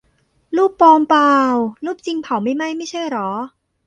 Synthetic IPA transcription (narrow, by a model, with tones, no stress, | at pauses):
luː˥˩pːɔː˧mpaː˧wluː˥˩p̚t͡ɕi˧ŋpʰa˨˩˦wma˥˩jma˥˩jma˥˩jt͡ɕʰa˥˩jɾɔː˩˦